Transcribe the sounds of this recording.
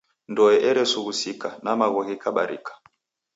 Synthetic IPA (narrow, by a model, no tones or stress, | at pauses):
ndɔɛʔɛɾɛsuɣusikanamaɣɔɣikaɓa̰ɾḭkḁ